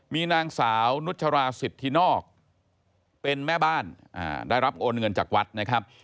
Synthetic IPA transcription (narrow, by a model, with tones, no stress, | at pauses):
miː˧naː˧ŋsaː˩˦wnu˦˥t̪̚t͡ɕʰa˧ɾaː˧si˨˩t̪ʰːiː˥˩nɔː˥˩k̚ | pe˧nmɛː˥˩baː˥˩nʔa̰ː˧˩daː˥˩jɾa˦˥p̚ʔoː˧nŋɤ˧nt͡ɕaː˨˩k̚wa˦˥t̪̚na˦˥kʰɾa˦˥p̚